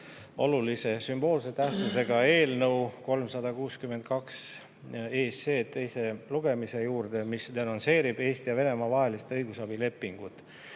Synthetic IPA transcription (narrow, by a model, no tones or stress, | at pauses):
o̞̰lulise̞symb̥o̞ːlset̪æhst̪suse̞ɡ̥ɑe̞ːlnəwko̞lmsɑd̪ɑkuːskymːent̪̚kɑks | eːse̞ːt̪ːe̞jse̞luɡ̥e̞mise̞juːɾd̪̥e̞misd̪̥e̞nɑnse̞ːɾib̥e̞ːst̪ijɑve̞ne̞mɑvɑɦe̞list̪ɤjɡusɑb̥ile̞pːˑiŋɡ̥ut̪ːˑ